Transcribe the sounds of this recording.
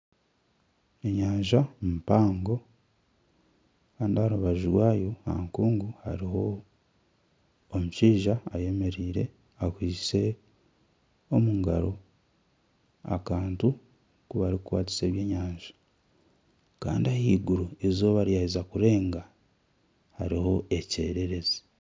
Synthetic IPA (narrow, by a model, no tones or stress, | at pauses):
e̞ɲaːɲʒampaːŋɡo̞ | kaːndiaɾuβaʒuɾwaːjo̞ha̰ŋkuːŋɡuha̰ɾiho̞ | muʃiːʒaaje̞me̞ɾiːɾe̞̰ | akwiːse̞ | omuŋɡaɾo̞ | a̰kaːntu | kuβaɾikwa̰ːti̥se̞ːβje̞ːɲaːɲʒḁ | ka̰ːndiahiːɡuɾuezo̞βaɾjaizakuɾe̞ːŋɡa | haɾiho̞ece̞ːɾe̞ɾe̞zi